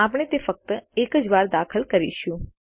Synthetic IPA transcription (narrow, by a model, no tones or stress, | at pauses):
apɳ̃et̪efək̚t̪əekəd͡ʒʋaɾd̪akʰəlkəɾḭʃjũ